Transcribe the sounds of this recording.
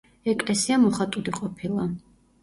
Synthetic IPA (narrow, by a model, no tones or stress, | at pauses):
ɛkʼlɛsiamɔχat̪ʼuliqʼɔpʰilˠa